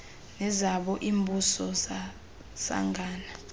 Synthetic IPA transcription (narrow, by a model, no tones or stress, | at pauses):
nɛzaɓɔʔiːmbʱusɔza | sa̰ŋɡʱaːna